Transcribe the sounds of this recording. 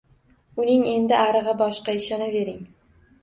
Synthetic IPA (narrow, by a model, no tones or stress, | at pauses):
ʊnɪŋe̞nd̪ɪʔaɾɨʁɨbɒʃqɑɪʃɒnave̞ɾɪŋ